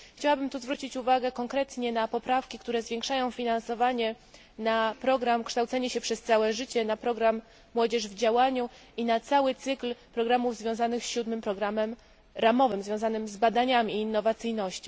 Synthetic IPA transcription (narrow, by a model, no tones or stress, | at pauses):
xt͡ɕawabɘmt̪uzvɾut͡ɕit͡ɕuvaɡɛkɔŋkɾɛt̪ɲɛnapɔpɾafkʲikt̪uɾɛzvʲjɛ̃ŋkʂajɔ̃w̃fʲinansɔvaɲɛ | napɾɔɡɾamkʂt̪awt̪sɛɲɛɕɛpʂɛst̪sawɛʐɘt͡ɕɛnapɾɔɡɾamː | wɔd͡ʑɛʐvd͡ʑawaɲuinat̪sawɘt̪sɘklpɾɔɡɾamuvzvʲjɔ̃w̃zanɘxɕud̪mɘmpɾɔɡɾamɛm | ɾamɔvɘmzvʲjɔ̃w̃zanɘmzbad̪aɲamʲiːnːɔvat̪sɘjnɔɕt͡ɕi